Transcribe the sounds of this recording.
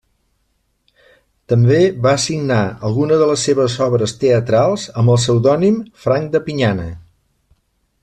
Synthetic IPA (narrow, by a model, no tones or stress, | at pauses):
t̪əmbeβaəsiɡnaə̰lˠɣunəðələsːeβəzɔβɾəst̪eət̪ɾalˠzəmbəlˠsəwðɔnimfɾaŋkd̪əpiɲanə̰